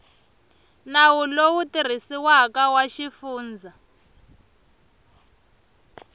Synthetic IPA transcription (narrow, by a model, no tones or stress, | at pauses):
nawulowutir̤isiwakawaʃifuːnd͡zʱa